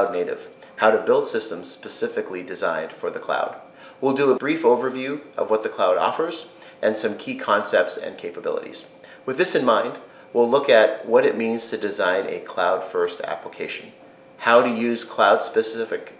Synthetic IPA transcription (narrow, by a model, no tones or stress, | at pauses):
ʊdⁿneɪɾɨ̰v̥ | haʊɾɨbɪlˠd̥sɪstə̃mz̥spɨsɪfɨklidɨzã̰ɪ̃nd̥fə˞ðɨkʰl̥a̰ʊd̚ | wilˠdəəbɹifoʊvə˞vjʉʔʌ̰vwʌt̪̚ðɨkʰl̥aʊɾɔ̰fə˞z̥ | ʔɨ̃nsʌ̃mkʰikʰɑ̃nsɛp̚tsɨ̰̃nkʰeɪpəbɪ̰lˠə̰ɾḭz̥ | wɨðɪsɨ̃nmãɪ̃nd | wilˠʊkɨt̚wʌɾɨt̚mĩnz̥tʰɨdɨzãɪ̃nʔɨ̰kʰl̥aʊd̥fɜ˞stæ̰pləkʰeɪʃɨ̃n | haʊɾɨjʉz̥kʰl̥aʊd̥spɨsɪfɨk